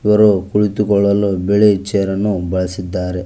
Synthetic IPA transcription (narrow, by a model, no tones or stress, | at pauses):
iʋɐɾokuɭit̪ukɔɭːɐlubeɭet͡ʃeːɾɐnːubɐɭɐsid̪ːaːɾe